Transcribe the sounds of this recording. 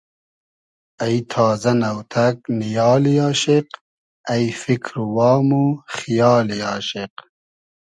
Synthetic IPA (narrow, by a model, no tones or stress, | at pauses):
ɐjt̪ʰaːzɐnɐwt̪ʰɐknijɑːlijaːɕeq | ɐjfikʰɾuwɑːmuxijɑːlijaːɕeq